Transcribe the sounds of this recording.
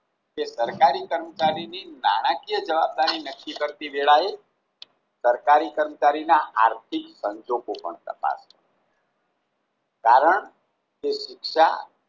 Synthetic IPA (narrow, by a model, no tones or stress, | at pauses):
kesəɾkaɾikəɾmət͡ʃaɾinina̰ɽ̃ãkijəd͡ʒəʋab̚d̪aɾinəkːikəɾt̪iʋeɭae | səɾkaɾikəɾmət͡ʃaɾinaaɾt̪ʰiksəɲd͡ʒoɡopə̰ɳt̪ə̰pa̰sə | kaɾəɳ | keʃɪkʃa̰